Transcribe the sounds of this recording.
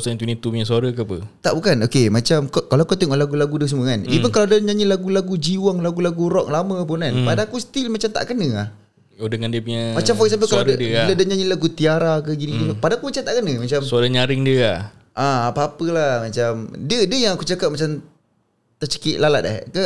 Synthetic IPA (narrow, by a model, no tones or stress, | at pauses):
sant̪̬winit̪upuɲãsuaɾəkəapət̪aʔbukanokemat͡ʃamkoʔkalawakut̪ɪŋɔlaɡulaɡudəs̬əmuəkanipunkalawdəɲãɲilaɡulaɡud͡ʒiwaŋlaɡulaɡuɾɔk̚lamə̃p̬ʊnanpadakusə̥t̪ilmat͡ʃamt̪a̰ʔkənəah | odəŋandiəpuɲamat͡ʃamfɔksap̬əkalaɾdəladəɲaɲĩlaɡut̪iaɾakəɡiniit̪upadakumat͡ʃamt̪aʔkənəmat͡ʃamsoaɾaɲaɾɪŋdiəah | ʔaapaapəlahmat͡ʃamdədəjaŋakut͡ʃakap̚mat͡ʃam | t̪ət͡ʃə̥kɪʔ̪̚lalat̪̚a̰kə